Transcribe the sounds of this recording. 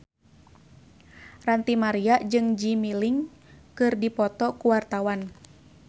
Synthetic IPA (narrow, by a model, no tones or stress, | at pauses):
rant̪imaɾiaʔd͡ʒɨŋd͡ʒimiliŋ | kɨrdipɔt̪ɔkuwart̪awan